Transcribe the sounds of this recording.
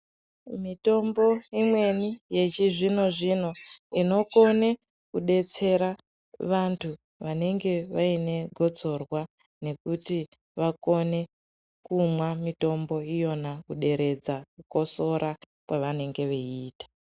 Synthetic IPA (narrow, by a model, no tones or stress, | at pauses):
mito̞mbo̞imwe̞nije̞t͡ʃiʐino̞ʐino̞ino̞ko̞ne̞ | kuɗe̞t͡se̞ɾa | ʋantʰu | ʋane̞ŋɡe̞ʋaine̞ɡʱo̞d͡zo̞rwa | ne̞kuti | ʋako̞ne̞ | kumwamito̞mbo̞ijo̞nakuɗe̞ɾe̞d͡zakuko̞so̞ɾa | kwaʋane̞ŋɡe̞ʋeiiːtḁ